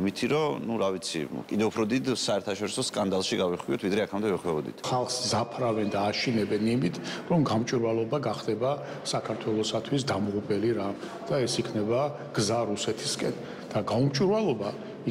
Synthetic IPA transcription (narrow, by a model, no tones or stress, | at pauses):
mit̪ʰiɾɔnuɾavit̪sʰḭkʼid̪ɛupʰɾɔd̪id̪saɛɾt̪ʰaʃɔɾisɔskʼand̪alˠʃiɡaviχwiɔt̪ʰvid̪ɾɛakʰamd̪ɛvɛχwɛbɔd̪ḭt̪ʰχalˠχszapʰɾavɛnd̪aːʃinɛbɛnimit̪ʰɾɔmɡamt͡ʃʼiɾwalˠɔbaɡaχd̪ɛba | sakʰaɾt̪ʰwɛlˠɔsat̪ʰwisd̪amʁupʼɛliɾa | d̪̥aɛsikʰnɛba | ɡ̥zaɾusɛt̪ʰiskʼɛn | d̪̥aɡaumt͡ʃʼiɾwalˠɔba | i